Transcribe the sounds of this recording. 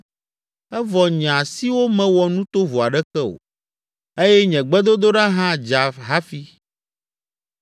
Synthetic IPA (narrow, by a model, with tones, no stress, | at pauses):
ɛ˦vɔ˨ɲ˨ã˨si˦wo˦mɛ̃˨wɔ˨nũ˦t̪o˦vo˨a˨ɖɛ˦kɛ˦o̰˨ | e˦jɛ˦ɲɛ̃˨ɡ͡bɛ˦d̪o˦d̪o˦ɖa˦ɦã˦d͡ʒa˨ɦa˦fi˦